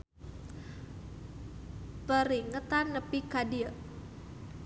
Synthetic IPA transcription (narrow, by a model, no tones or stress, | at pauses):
pəɾiŋət̪anːəpikadiə